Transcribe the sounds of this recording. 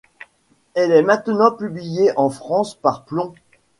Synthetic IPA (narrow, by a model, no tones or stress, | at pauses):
ɛlɛmɛ̃t̪nɑ̃pyblijeʔɑ̃fχɑ̃spaʁplɔ̃